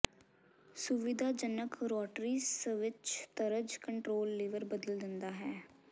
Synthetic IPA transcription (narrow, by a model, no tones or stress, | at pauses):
sʊʋɪd̪aːd͡ʒənəkɾɔːʈɾiːsʋɪt͡ʃt̪əɾəd͡ʒkəɳʈɾoːlːɪʋəɾbəd̪əld̪ɪnd̪aːɦɛː